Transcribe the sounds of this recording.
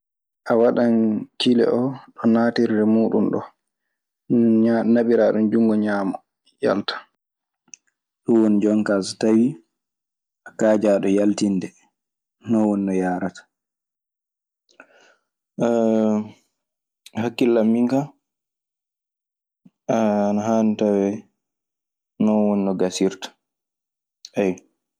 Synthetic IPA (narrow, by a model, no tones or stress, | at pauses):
ʔawaɗankilɛ̰ʔɔɗɔnaːtiɾdɛmuːɗṵnɗɔ̰ | naɓiɾaɗund͡ʒuŋɡɔɲaːmɔ | ja̰ltḁ | ɗɔwɔnd͡ʒɔŋkastawi | ʔakaːd͡ʒaːɗɔjaltinːdɛ | nɔwɔnːɔjaːɾatḁ | hakːilːamːiŋka | anaɦaːnitawɛ | nɔwɔnːɔɡasiɾtḁ | ʔɛj